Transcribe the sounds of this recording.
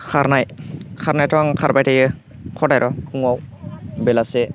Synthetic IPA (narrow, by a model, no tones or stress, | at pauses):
kʰaɾnajkʰaɾnajtʰɔŋkʰaɹbajtajɯ | kʰɔdajɾʔɔuŋɔwbɛlasɛ